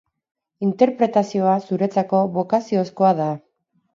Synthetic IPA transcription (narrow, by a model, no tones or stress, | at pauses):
int̪e̞ɾpɾe̞t̪asio̞asuɾe̞t͡sako̞βo̞kasioesko̞aða